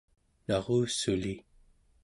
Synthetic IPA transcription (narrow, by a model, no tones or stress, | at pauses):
nɑʁuːsuli